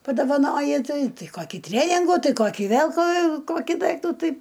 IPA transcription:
pɐdoːʋɐˈnoːjɪ ˈtɐɪ ˈtɐɪ ˈkoːkʲiː ˈtʲrʲæːnʲɪŋɡuː ˈtɐɪ ˈkoːkʲiː ˈʋʲeːlˠ koː ˈkoːkʲiː ˈdɐɪktuː ˈtɐɪ

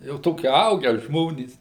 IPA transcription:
jɛʊ ˈtoːkʲɪ ˈɐʊɡʲæː ˈʒmoːnʲiːs

